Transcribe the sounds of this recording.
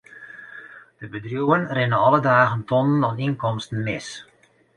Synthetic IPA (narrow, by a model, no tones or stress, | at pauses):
d̥əbədrjuənrɪnəɔlədaːɣəntʰɔnənɔninkɔmstən̩mɪs